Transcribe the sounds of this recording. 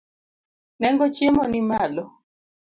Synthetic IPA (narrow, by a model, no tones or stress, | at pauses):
nɛŋɡɔt͡ʃiemɔnimalɔ